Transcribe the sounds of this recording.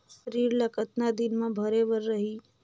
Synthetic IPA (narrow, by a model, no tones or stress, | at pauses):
ʃəɾiːɾlɐkət̪nad̪ɪnmẽbʱɐɾebəɾːɐɦiː